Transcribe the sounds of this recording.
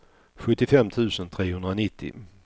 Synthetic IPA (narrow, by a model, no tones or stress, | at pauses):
ɧɵt̪ːɪfɛmt̪ʰʉ̟ːsənt̪ʰɾeːhɵnd̪ɾanɪt̪ːɪ̰